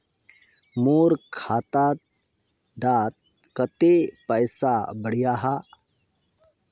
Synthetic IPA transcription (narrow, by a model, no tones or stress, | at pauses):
moːɾkʰaːt̪at̪̚ | d̪aːt̪̚ | kət̪epəjsabəɽ̤ijaɦa